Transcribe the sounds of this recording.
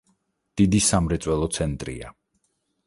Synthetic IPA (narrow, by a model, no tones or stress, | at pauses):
d̪̥id̪isamɾɛt̪sʼwɛlˠɔt̪sʰɛnt̪ʼɾḭa̰